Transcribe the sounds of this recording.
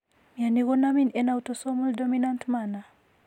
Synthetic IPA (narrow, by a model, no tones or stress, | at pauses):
mianiɣɔnaminɛnawtɔsɔmuldɔminantmana